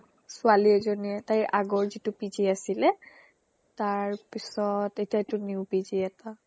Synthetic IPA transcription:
sʊaliɛzoniɛtajʔaɡɔɹzitʊpiziasilɛ | taɹpisɔtetijatʊniwpiziɛta

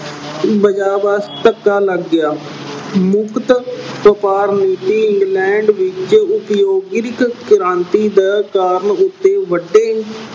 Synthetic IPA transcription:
bəd͡ʒaːbast̪əkːaːləɡːɪjaː | mʊkt̪pəpaːɾniːt̪iːɪŋɡlɛːɳɖʋɪt͡ʃʊpjoːɡɪɾɪkkɪɾãːnt̪iːd̪aːkaːɾɳʊt̪ːeːʋəɖːeː

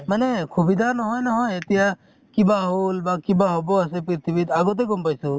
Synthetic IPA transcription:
mənekʰubid̪ʱanɦɔjnɐɦɔet̪ija | kibaɦulbãkibaɦoboɐs̬ep̬ɾit̪ʰibit̪aɡot̪̬eɡombajsu

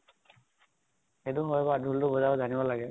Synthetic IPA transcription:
xeduɦɔjbadʱuldʊbɔzabɔzanibɔlaɡɛ

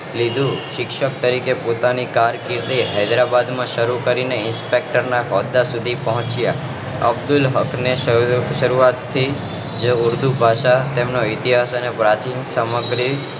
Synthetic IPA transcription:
lid̪ʱũʃɪkʃək̚t̪əɾikepot̪anikaɾkiɾt̪iɦəjd̪ɾabad̪mãʃəɾukəɾineɪnspek̚ʈəɾnaɦɔd̪asud̪ʱipəɦɔ̃t͡ʃja | ə̰bd̪ʊlɦəkʰneʃəɾuat̪ʰːi | d͡ʒeʊɾd̪ʱubʱaʃat̪emnoit̪iɦasənepɾat͡ʃinsəməɡɾi

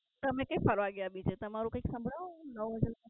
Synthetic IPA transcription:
t̪əmekəɪkpʰəɾʋaɡjabid͡ʒet̪əmaɾũkəɪjksə̃mbʱɽanəʋɦəd͡ʒaɾ

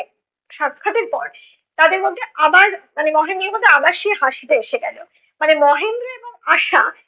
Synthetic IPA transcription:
ʃat̪kʰːat̪eɾpɔɾ | t̪ad̪eɾmod̪ʱːeabaɾmanemɔɦend̪ɾeɾmod̪ʱːeamaɾʃieɦaʃid̪eeʃeɡɛlo | manemɔɦend̪ɾoeboŋaʃa̰

